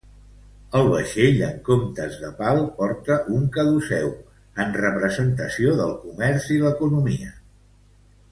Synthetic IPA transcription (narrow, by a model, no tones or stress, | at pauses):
əlˠβ̞əʃeʎəŋkomt̪əzðəpalˠpɔɾt̪əʔuŋkəðusɛw | ənrəpɾəzənt̪əsioðəlˠkumɛrziləkunumiə